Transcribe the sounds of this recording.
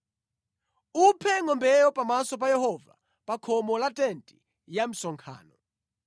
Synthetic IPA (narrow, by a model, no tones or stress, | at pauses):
upʰɛŋɔmbɛjɔpʼamasɔp̬ajɛhɔva̰ | pakʰɔmɔlatʼɛntʼi | jam̩sɔŋkʰa̰ːnɔ